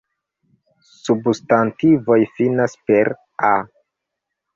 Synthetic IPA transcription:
substantivo̞jfinaspe̞ɾ | a

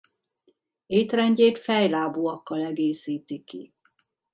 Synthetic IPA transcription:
eːt̪rɛɲɟeːt̪fɛjlaːbuɒkːɒlɛɡeːsiːt̪ikḭ

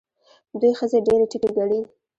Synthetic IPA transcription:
d̪ujxəzeɖeɾeʈikeɡaɽi

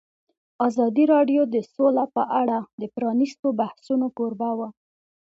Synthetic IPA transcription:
ɑzɑd̪iɾɑɖjod̪əsolapəʔaɽad̪əpɾɑnist̪obahsunokoɾbawa

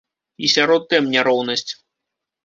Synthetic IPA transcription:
isʲaɾɔt̪ːɛmnʲaɾɔwnɐsʲt͡sʲ

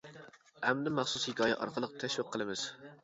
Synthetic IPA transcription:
æmd̪ɪmɑχsushɪkʲɑːjɛ̰ʔɑ̰ɾqʰəlˠəqt̪ʰɛʃwiqʰːəlˠɨmɪz̥

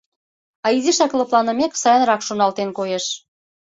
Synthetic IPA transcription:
ɑiziʃɑklɤ̆plˠɑnə̆meksɑjə̆nɾɑkʃonɑlt̪enkojeʃ

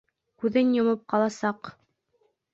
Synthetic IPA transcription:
kʉðɘnjŏmɤp̚qɑlˠɑsɑq

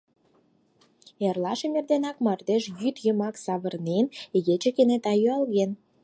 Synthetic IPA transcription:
erlɑʃĕmerd̪enɑkmɑrd̪eʃjyt̪jə̆mɑksɑβə̆rnenɣet͡ɕĕkenet̪ɑjyɑlɣen

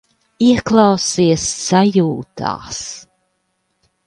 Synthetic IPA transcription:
iɛklˠɑwsiɛsːajuːt̪a̰ːs

